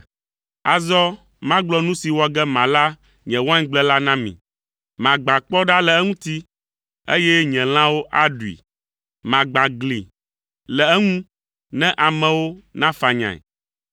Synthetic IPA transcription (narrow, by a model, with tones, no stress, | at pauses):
a˨zɔ˦ | mã˦ɡ͡blɔ˦nũ˦si˨wɔ˨ɡɛ˦mã˨la˦ | ɲɛ̃˨wã˦ɲ˦ɡ͡blɛ˦la˦nã˦mḭ̃˨ | mã˨ɡ͡bã˨k͡pɔ˦ɖa˦lɛ˨ɛ˦ŋũ˦t̪i˦ | ḛ˦jɛ˦ɲɛ̃˨l̃ã˦wo˦ʔa˦ɖu˨ḭ˨ | mã˨ɡ͡bã˨ɡlḭ˨ | lɛ˨ɛ˦ŋũ˦ | nɛ̃˦ʔa˨mɛ̃˨wo˦nã˦fa˨ɲã̰˨ɛ̰˨